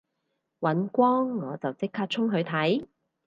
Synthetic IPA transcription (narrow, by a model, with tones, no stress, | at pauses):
wɐ˨˧˥nkʷɔː˥ŋːɔː˨˧t͡sɐ˨˩wt͡sɪ˥kʰːaː˧t̚t͡ʃʰʊ˥ŋɦɵ˨˧ɥt̪ʰɐ˨˥j